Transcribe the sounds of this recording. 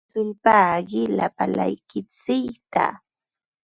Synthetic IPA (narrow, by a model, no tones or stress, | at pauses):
ʊʎpaɢɪla̰pala̰jkɪt͡sɪkt̪a̰